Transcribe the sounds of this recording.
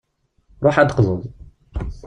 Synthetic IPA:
ɾˤoħæd̪qzˤəzˤ

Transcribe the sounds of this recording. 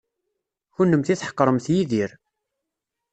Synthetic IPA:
çʊnːəmθiθħə̥qːɾˤəmθjiðiɾ

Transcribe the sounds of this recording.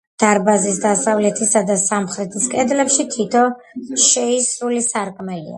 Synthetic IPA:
d̪̥aɾbazisd̪asavlɛt̪ʰisad̪asamχɾɛt̪ʰiskʼɛd̪lɛpʃit̪ʰit̪ʰɔ | ʃɛisɾulisaɾkʼmɛlḭa̰

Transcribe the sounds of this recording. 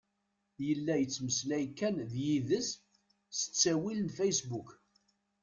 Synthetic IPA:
jəlːæjət͡sːməslæjkːænðjiðəs | sə̥t͡sːæwilənfæjsbuk

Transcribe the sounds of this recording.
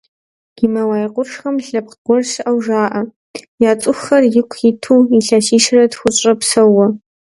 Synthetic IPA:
ɡ̥imɐwaːjqʷʊʂxɐmɬɐp̚qqʷɔrʂɨʔɐwʒaːʔɐ | jaːt͡sʼʊxːɐrjɪkʷʰɪtʰuːiɬaʃiːʂɪrɐdxʷʊt͡ʃʼɐpsɐwɐ

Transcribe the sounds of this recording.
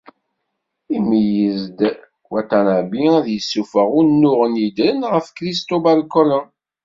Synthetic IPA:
imijəzd̪ | wæt̪ænəʕbiæðjəsːufəʁʊnːʊʁənjid̪ɾənʁəfkɾist̪obælkəɾən

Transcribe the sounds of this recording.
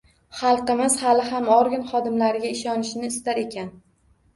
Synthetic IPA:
χɑlˠqɨmɪz̥halɪɦamɒɾɡʲɪnχɒd̪ɪmlaɾɪɡʲaɪʃɒnɪʃɪnɪːst̪aɾe̞kʲʰan

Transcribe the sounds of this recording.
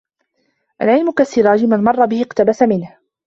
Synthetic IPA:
ʔa̰lʕɪlmʊkasːɪɾɑːd͡ʒɪmanmɑrˤːɑbɪhɪqt̪abasamɪnh

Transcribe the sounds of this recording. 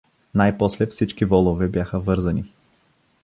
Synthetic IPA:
najpɔslɛfsit͡ʃkivɔlˠovɛbjaxəvɤɾzɐni

